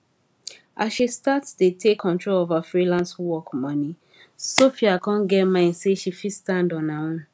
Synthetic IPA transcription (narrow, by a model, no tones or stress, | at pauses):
ʔasʃistatstetʰekʰːɔ̃ntʰɹolovafɹilãnswɔkmɔ̃nĩ | sofiakʰɔ̃nɡɛtmãɪ̃nseʃifistãndɔ̃nãwɔ̃